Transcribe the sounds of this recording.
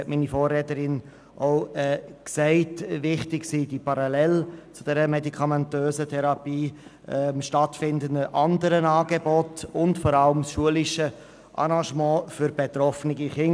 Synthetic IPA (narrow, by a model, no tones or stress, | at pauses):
ɛtmiːnifɔːrːɛːtəɾɪn | ʔoʊɛːksɛɪtʋɪχtɪksiːd̥ipʰɑɾɑlɛlt͡sʊd̥ɛɾəmɛdikʰɑmɛntøːzətʰɛɾɑpiː | ɛmʃtɑtfɪndəndəʔɑndəɾənɑːɡebɔtʊntfɔɾɑləmsʃuəlɪʃə | ʔɑ̰ɾɑ̃ʃmɑ̃ːfʏɾbetɾɔfənɪɡiχɪn